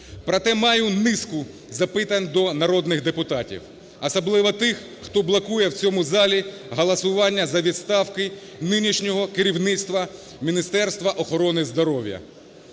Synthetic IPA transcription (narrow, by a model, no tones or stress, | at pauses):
pɾɐt̪ɛmɑjʊnɪskʊ | zɐpɪt̪ɐnʲd̪ɔnɐɾɔd̪nɪxd̪epʊt̪ɑtʲḭw | ɐsɐblˠɪʋɐt̪ɪx | xt̪ɔblˠɐkujɛwt͡sʲɔmʊzɑlʲi | ɦɐlˠɐsʊʋɑnʲːɐzɐʋʲid̪st̪ɑwkɪ | nɪnʲiʃnʲɔɦɔkeɾʲiwnɪt̪st̪ʋɐ | mʲinʲist̪ɛrst̪ʋɐʔɔxɔɾɔnɪzd̪ɔɾɔwjɐ̰